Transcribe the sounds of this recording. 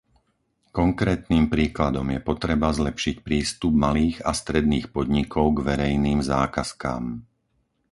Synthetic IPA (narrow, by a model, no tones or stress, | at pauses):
kɔŋkɾɛːt̪niːmpɾiːklad̪ɔmjɛpɔt̪ɾɛbazlɛpʃicpɾiːst̪ub̚maliːɣast̪ɾɛd̪̚niːxpɔd̪ɲikʰɔʊɡʋɛɾɛjniːmzaːkaska̰ːm